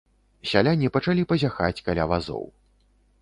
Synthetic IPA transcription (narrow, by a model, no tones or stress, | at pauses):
sʲalʲanʲipɐt͡ʂalʲipɐzʲaxa̰t͡sʲkalʲavazɔ̰w